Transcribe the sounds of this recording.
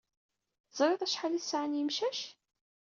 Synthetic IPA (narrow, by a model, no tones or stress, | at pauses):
θəzˤɾˤeðˤæʃħaliθsʕənjəmʃæʃ